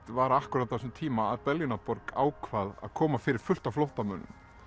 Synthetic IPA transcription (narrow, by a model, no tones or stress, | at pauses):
t̪vaɾahkʏɾat̪θasʏmt̪ʰiːmaːðpɛlinapɔɾka̰ːwkʰvaða̰ðkʰɔːmafɪɾɪɾ̥fʏl̥t̪aflowht̪amœːnʏ̰m